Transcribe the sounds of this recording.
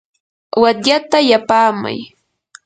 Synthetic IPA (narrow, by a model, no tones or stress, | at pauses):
wat̪jat̪ajapaːma̰j